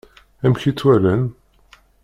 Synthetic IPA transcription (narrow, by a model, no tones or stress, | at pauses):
æmçit͡sːwælæn